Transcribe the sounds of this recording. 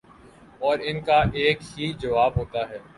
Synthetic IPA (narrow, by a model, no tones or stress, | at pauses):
ɔːɾɪnkaʔeːkɦid͡ʒɐʋaːbɦoːt̪aɦɛː